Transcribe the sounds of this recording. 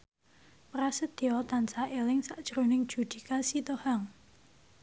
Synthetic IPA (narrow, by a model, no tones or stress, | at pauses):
pɾasəd̪̥iɔt̪ansaʔelɪŋsaʔd̥ʒ̥əɾonɪŋd̥ʒ̥ṳd̪̥ikasit̪ohaŋ